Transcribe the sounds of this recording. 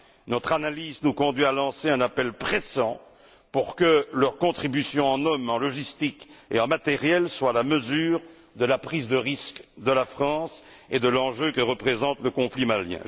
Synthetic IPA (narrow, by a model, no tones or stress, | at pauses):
nɔt̪χanaliznukɔ̃d̪ɥialɑ̃seɛ̃napɛlpχesɑ̃ | puʁkəlʁkɔ̃t̪χibysjɔ̃ɑ̃nɔmɑ̃lɔʒist̪ikḛɑ̃mat̪ɛʁjɛlswalaməzyːʁ | d̪əlapχizd̪əʁiskd̪əlafχɑ̃s | ed̪əlɑ̃ʒøkəʁəpχezɑ̃t̪ləkɔ̃flimaljɛ̰̃